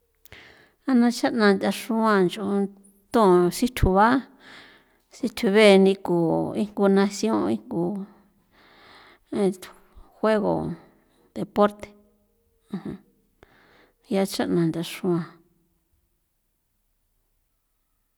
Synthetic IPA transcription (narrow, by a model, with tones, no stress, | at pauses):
a˧nã˧t͡ʃa˦ʔnã˧nd̪ʲa˧ʂũ˦ã˧nd͡ʒo˧ | t̪õ˦˧˨si˦t̪ʰu˨βa˦ | si˧t̪ʰu˧βe˦˧nĩ˧ku˨i˦ŋɡu˧nã˧sjõ˦˧i˦ŋɡu˧ | ẽ˧ | xwe˦ɣo̰˨ | d̪e˨po˦ɾt̪e̥˨ | ã˧hã˧ | ja˧t͡ʃa˦ʔnã˨˧nd̪ʲa˧ʂũ˧ã˧